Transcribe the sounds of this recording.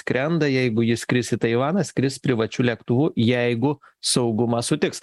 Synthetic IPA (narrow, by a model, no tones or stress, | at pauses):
skɾʲɛnd̪ɐjɛɪɡʊjɪskɾʲɪsʲɪt̪ɐɪʋɑːnɐskɾʲɪspʲɾʲɪʋɐt͡ʃʲuːlʲɛkt̪ʊʋuːjɛɪɡʊ | sɐʊɡʊmɐsʊt̪ʲɪks